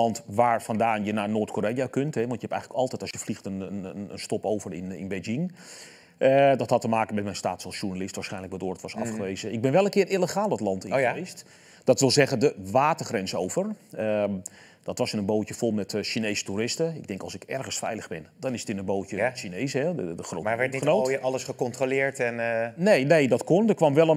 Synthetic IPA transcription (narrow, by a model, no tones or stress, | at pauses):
lɑntʋaːɹfɑndaːnjənaːnoːtkoːɾejakøntɦɛʋɑntjəɦɛpɛ̰jxŋələkɑlˠtɛjtɔsjəflixtənəəənstɔpowvərɪ̰nɪ̰nbed͡ʒɪŋ | ədɔthɑtəmaːkənmɛtmɛjnstaːtsɑlˠsʃurnalɪstʋaːɹsχɛjnləkʋɔdʊːɹdətʋɔsɑ̰fxəʋeːzəɪɡ̚bɪnʋɛlˠənkɪːɾiləxaːlˠdɔtlɑntɪ̃est | d̥ɑtʋɪlˠzɛχəndəʋaːtərχrɛnsowvərə | d̥ɔtʋɑsənənboːwcəfolˠmɛtʃinejsə̥tuɾɪstəɪ̰ɡ̚dɛŋkɑlˠsɪkɛɹχəsfɛ̰jləɣbɪndɔnɪsə̥tɪnənbowt͡ʃəʃinejsɦɛəχro̰ːaɛniənowɑləsχəkɔntrolɪːɹtɛnnejnejdɔtkondəkʋɑmʋɛlˠə